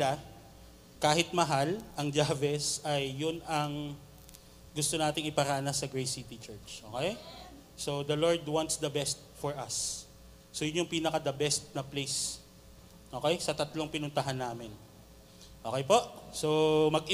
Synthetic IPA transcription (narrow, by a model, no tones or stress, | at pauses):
la | kaːɦɪt̪̚mɐɦalʔɐŋd͡ʒaːvɛsɐjːʊnɐŋ | ɡʊst̪o̞naːt̪ɪŋɪpɐɾaːnɐsɐɡɹejsit̪ɪt͡ʃɛɹt͡ʃʔo̞ːkɛj | so̞d̪ɐlo̞ɹd̪want̪sd̪ɐbɛst̪̚fɔɹʔɐsː | ojʊnjʊŋpiːnɐkɐd̪ɐbɛst̪̚nɐplejs | ʔoːkɛjsɐt̪ɐt̪loŋpɪnʊnt̪ɐɦanːaːmɪn | ʔoːkɛjpo̞ʔsomɐɡ̚ʔɪ